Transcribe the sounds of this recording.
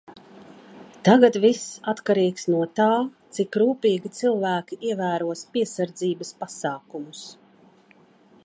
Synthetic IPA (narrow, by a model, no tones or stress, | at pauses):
t̪aɡat̪visat̪kaɾiːksnuɔt̪aːt̪sikɾuːpʲiːɡʲit̪silˠvæːkʲiʔiɛvæːɾuɔspiɛsaɾd̪ziːbɐspasaːkumus